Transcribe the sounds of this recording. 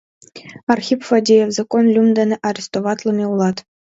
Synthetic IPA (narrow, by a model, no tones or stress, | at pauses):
ɑrxʲipfodʲijefzakonlʲumd̪ʲɘ̆nʲɘʔɑɾʲest̪oʋɑt̪lʲˠɤ̆mʲeulˠɑt̪